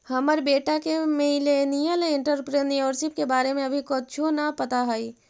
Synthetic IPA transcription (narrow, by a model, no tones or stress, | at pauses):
həməɾbeːʈakemelenijəleɪ̃ɳʈəɾpɾeniʋəɾʃɪp̚kebaːɾemẽɐbʱikɔt͡ʃʰonapət̪aɦəi